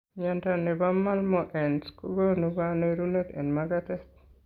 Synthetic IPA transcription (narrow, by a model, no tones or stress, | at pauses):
ɲantanebamːalmɔʔɛnskuɡonubaneɾunet̪ɛ̰nmaɡatɛt